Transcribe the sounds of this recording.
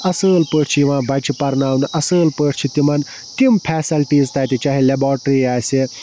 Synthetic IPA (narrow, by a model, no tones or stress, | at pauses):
ɐsəːlpəːʈʰt͡ʃʰiiʋãːbɐt͡ʃʰipɐɾnaːwnʔɐsəːlpəːʈʰt͡ʃʰit̪imɐn | t̪impʰɛːsɐlʈiːzt̪ɐːt̪it͡ʃaɦilebaːɾʈɾiaːse